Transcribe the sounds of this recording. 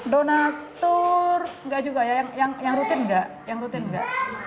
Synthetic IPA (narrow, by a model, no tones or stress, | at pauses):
donat̪ɔrŋɡaʔd͡ʒuɡajajaŋjaŋjaŋɾut̪ɪnɡaʔ | jaŋɾut̪ɪnŋɡaʔ